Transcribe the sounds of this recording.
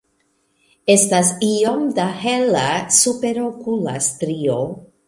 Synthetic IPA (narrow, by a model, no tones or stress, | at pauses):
estasiomdahelasupe̞ɾokulastɾio